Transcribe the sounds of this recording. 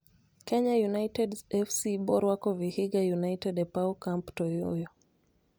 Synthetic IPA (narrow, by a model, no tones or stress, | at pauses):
kɛɲajunaitɛdɛfsiɓɔɾwakɔvihiɡajunaitɛdɛpaukamptɔjɔ̰jɔ